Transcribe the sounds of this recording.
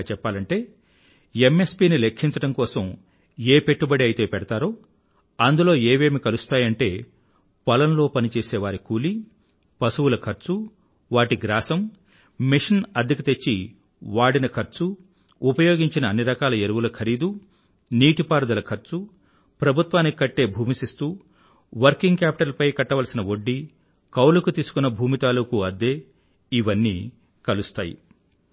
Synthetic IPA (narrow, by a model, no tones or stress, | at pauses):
t͡ʃɛpːaːlɐɳʈe̞ː | emːe̞spiːnilekʰːiɲt͡ʃɐʈɐmkɔːsɐm | eːpe̞ʈːubɐɽiɐjit̪e̞ːpɛɽɐt̪aːɾoː | ɐnd̪ulo̞ːe̞ːʋe̞ːmikɐlust̪aːjɐɳʈe̞ː | pɐlɐnlo̞ːpɐnit͡ʃeːseːʋaːɾikuːli | pɐsuwulɐkʰɐɾt͡ʃu | ʋaːʈiɡɾaːsɐm | miʂinɐd̪ʱikɐt̪e̞t͡ʃːi | ʋaːɽinɐkʰɐɾt͡ʃu | upɐjo̞ːɡiɲt͡ʃinɐːnːiɾɐkaːlɐeɾuʋulɐkʰɐɾiːd̪u | niːʈipaːɾɐd̪ɐlɐkʰɐɾt͡ʃu | pɾɐbʱut̪ʋaːnːikikɐʈːe̞ːbʱuːmisist̪uː | ʋɐɾkiŋɡkaːpi̥ʈɐlpɐjkɐʈːɐʋɐlɐsinɐo̞ɖːi | kɐwlɐkut̪iːsu̥kunːɐbʱuːmit̪aːlukuɐd̪ːeː | iʋɐnːḭː | kɐlust̪aːjḭ